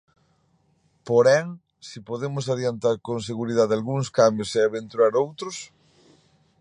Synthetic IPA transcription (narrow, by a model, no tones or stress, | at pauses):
poɾɛŋ | sipoðemosaðjent̪aɾkõŋs̬eɣuɾið̞aðalɣuŋskambjoseaβ̞ent̪uaɾowt̪ɾos